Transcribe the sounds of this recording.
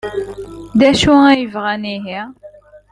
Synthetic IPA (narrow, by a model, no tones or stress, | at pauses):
d̪æʃuæjəvʁæniɦi